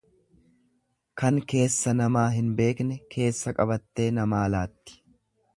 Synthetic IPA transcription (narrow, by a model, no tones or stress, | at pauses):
kɐŋke̞ːsːɐnɐmaːɦɪnbe̞ːknɛkʰe̞ːsːɐkʼɐbɐt̪ːe̞ːnɐmaːlaːt̪ːɪ̥